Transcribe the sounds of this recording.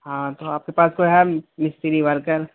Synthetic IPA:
ɦãːt̪oaːp̚kepaːskoɦɛmɪst̪eɾiʋɐɾkəɾ

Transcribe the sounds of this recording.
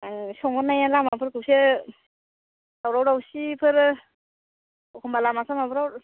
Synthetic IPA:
aŋsɔŋɡɔnːajalamapʰɯɾkɯwse | dawɾawɾawsipʰɯɾ | ɔkʰɔmbalamasʰamapʰɾawɾ

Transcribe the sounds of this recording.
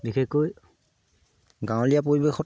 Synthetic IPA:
bixʰɛkːoj | ɡãw̃lijap̬oɹibexɔ

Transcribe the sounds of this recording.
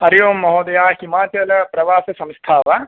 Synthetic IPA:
ɐɾjoːmːɐɦoːd̪ɐjaːhimaːt͡ʃɐlɐpɾɐʋaːsɐsɐ̃mst̪ʰaːʋa

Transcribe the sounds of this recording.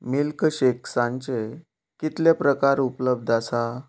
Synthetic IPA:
milkəɕeksãɲt͡ɕe | kit̪lepɾəkaɾupləb̚d̪ʱasa

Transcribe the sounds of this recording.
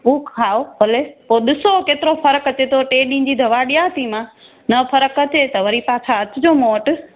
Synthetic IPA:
uːkʰaobʱɐlepoːɗɪsokeːt̪ɪɾofɐɾəkɐt͡ɕet̪ʰoʈeːɗĩ̆ːd͡ʑiːd̪ʱɐʋaɗijaɦət̪ʰimã | nɐpʰɐɾəkət͡ɕʰet̪ɐʋɐɾipaːt͡ɕʰaɐt͡ɕʊd͡ʑoːmoːʈ

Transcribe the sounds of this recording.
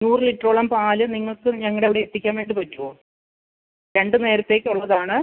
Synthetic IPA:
nuːrɨliʈːroːɭɐmpaːlɨniŋːɐɭkɨɲɐŋːɐɽeʋiɽeet̪ːikʲːaːnʋeːɳɖipɐtːuoː | ɾe̞ɳɖɨne̞ːɾɐt̪ːe̞ːkʲːuɭːɐðaːɳɨ

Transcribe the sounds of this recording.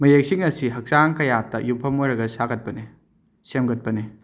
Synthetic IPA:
mɐjek̚siŋɐsiɦɐk̚saŋkɐjatɐjupʰɐmojɾɐɡɐsaɡɐt̚pɐne | semɡɐt̚pɐne

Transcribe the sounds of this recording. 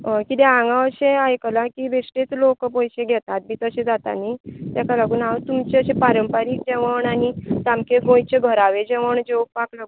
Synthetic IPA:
əkit̪ẽãŋɡãəɕeajkəlãkibesʈet͡slokpəjɕẽɡʱɛt̪at̪̚biːt̪əɕẽd͡zat̪a̰nit̪akalaɡuːnaət̪umt͡ɕeəɕẽpaɾəmpaɾiːk̚d͡ʑeʋəɳanid͡zamkeɡõjt͡ɕeɡʱəɾaʋed͡ʑɛʋəɳd͡ʑeʋpaklaɡu

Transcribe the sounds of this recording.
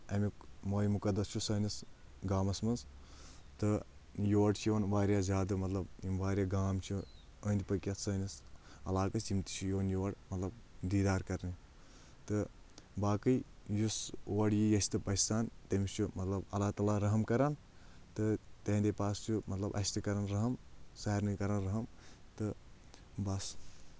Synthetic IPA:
ɐmʲikmoːjmukɐd̪ɐst͡ʃʰusɐːnis | ɡaːmɐsmɐnz | t̪ɨjoːɖt͡ʃʰjiʋɐnʋaːɾjaːzʲaːd̪ɨmɐt̪lɐbimʋaːɾʲjaɡaːmt͡ʃʰu | ɐːnʲd̪ipɐkʲɐt̪səːnɐsɐlaːkɐt͡ʃimt̪i̥t͡ʃʰujoʋɐnjuʋɐɽmɐt̪lɐb̚d̪iːd̪aːɾkɐɾni | t̪ɨ | baːkɨj | jusoɐɽjijɐsʲt̪ɨpɐsaːnt̪ɐmist͡ʃʰumɐt̪lɐbɐlaːt̪aːlaɾɐɦɐmkɐɾan | t̪ɨt̪ɐɦnd̪epaːst͡ʃʰumɐt̪lɐbʔɐsʲt̪ɨkɐɾanɾɐɦɐmsaɐɾnɨkɐɾɐnɾɐɦɐmt̪ɨ | bɐs

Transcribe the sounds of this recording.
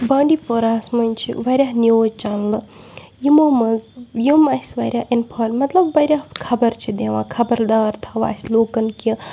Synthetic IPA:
baːɳɖipoɾaːsmɐnʲt͡ʃʰḭʋɐɾʲjaːnioːd͡ʒt͡ʃaːnlɨ | jimomɐzjimɐsʲʋɐ̰ɾʲjaːʔinpʰɐːnmɐt̪lɐbːɐɾʲjaːkʰɐbɐɾt͡ʃʰid̪eʋãːkʰɐbɐɾd̪aːɾt̪ʰɐʋa̰ːsʲloːkɐnki

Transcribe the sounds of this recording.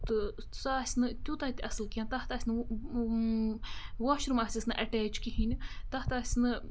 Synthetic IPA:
t̪ɨ | saːsʲnɨt̪ʲut̪aːt̪ʲʔɐsɨlkʲaːnt̪aht̪aːsʲnɨ | waːʃɾmaːsʲisnɨʔɐʈɛːt͡ʃkiɦinʲt̪ɐht̪aːsʲnɨ

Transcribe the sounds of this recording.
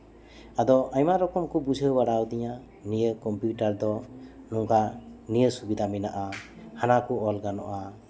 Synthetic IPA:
ad̪ɔʔajmaɾɔkɔmkubud͡ʒʱəbaɽawd̪iɲa | nijəkɔmpjuʈaɾd̪ɔ | nuŋkanijəsubid̪ʱaminaʔa | hanakuɔlɡanɔʔa

